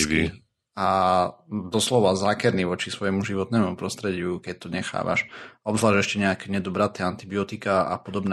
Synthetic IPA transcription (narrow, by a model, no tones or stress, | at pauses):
kḭ | a | d̪ɔslɔʋazaːkɛɾniʋɔt͡ʃisʋɔjɛmuʒiʋɔt̪nɛːmupɾɔst̪ɾɛɟɪukɛc̚t̪ɔɲɛxa̰ːʋa̰ʃɔbzlaːʒɛʃcɛɲɛakɛɲɛd̪ɔbɾat̪ɛant̪ibiɔt̪ikaa̰pɔd̪ɔbn